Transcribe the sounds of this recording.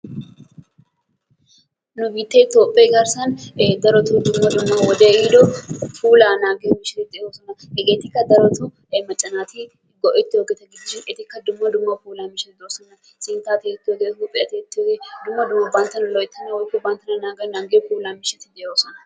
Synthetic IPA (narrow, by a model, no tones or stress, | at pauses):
nʊbiːt̪ːɛɪt̪joːpʼːɐɡɐɾsɐnd̪ɐɾɔt̪ʊd̪ʊmːɐd̪ʊmːɐwɔd̪eid̪ɔfuːlanaːɡemɪʃɛt̪ɪd̪ɪoːsɔnɐhɛɡeːt̪ɪkːɐd̪ɐɾɔt̪ʊ | mɐt͡ʃʼːɐnaːt̪ɪ | ɡɔʔɪt̪ːɪhoɡɛt̪ɐɡɪd͡ʒːʃɪnɪt̪ɪkːɐd̪ʊmːɐd̪ʊmːɐfuːlaːmɪʃɛt̪ɪd̪osɔnɐ | sɪnt̪aːt̪eɪt̪ːɪoɡehopʼɪɐt̪ɛt̪ːɪɡed̪ʊmːɐd̪ʊmːɐbɐnt̪ɐnɐlɔɪt̪ːɐnɐwɔk̪ːʊbɐnt̪ːɐnɐnaːɡɐnaːɡefuːlaːmɪʃɐt̪ɪd̪ɪhoːsɔnɐ